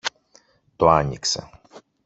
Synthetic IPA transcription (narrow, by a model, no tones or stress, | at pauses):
t̪oaɲḭksɛ̰